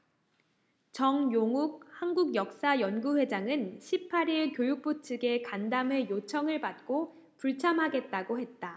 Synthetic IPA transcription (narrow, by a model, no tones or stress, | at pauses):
t͡ɕʌŋjoŋuɡ̚hanɡuɡjʌk̚s͈ajʌnɡuɸwe̞d͡ʑaŋɯnɕʰipʰaɾiɭkjojuk̚p͈ot͡ɕʰɯɡe̞kandamɦe̞jot͡ɕʰʌŋɯɭpat̚k͈o | puɭt͡ɕʰamɦaɡe̞t̚t͈aɡohe̞t̚t͈a